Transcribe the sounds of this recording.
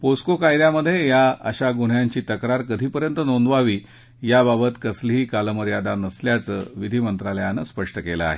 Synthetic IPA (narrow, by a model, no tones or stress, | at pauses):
poskokajd̪jaməd̪ʱːjejaə̰ɕaɡuɽ̤jaɲt͡ɕiːt̪əkɾaɾkəd̪ʱiːpəɾjənt̪ənond̪ʋaʋiː | jababət̪kəsliɦiːkaləməɾjad̪anəsljat͡sə̰ːʋid̪ʱiːmənt̪ɾaljanəspəʂʈəkeləa̰ɦḛ